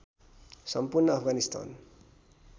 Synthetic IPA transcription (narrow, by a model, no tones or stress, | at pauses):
sʌmpurnʌapʰɡanist̪a̰n